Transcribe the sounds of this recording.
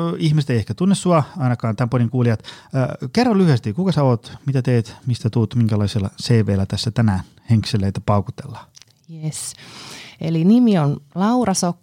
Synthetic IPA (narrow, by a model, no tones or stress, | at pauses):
ihmiset̪eiehkæt̪unːessuɑɑinɑkɑːnt̪æmponiŋkuːliɑt̪ːkerːolyhyest̪ikukɑsæoːt̪mit̪æt̪eːt̪mist̪æt̪uːt̪miŋkælɑiselːɑseːʋeːlːæt̪æsːæt̪ænæːn | heŋkselːeːt̪æpɑukut̪elːɑ̥ | jes | elinimionlɑurɑsokː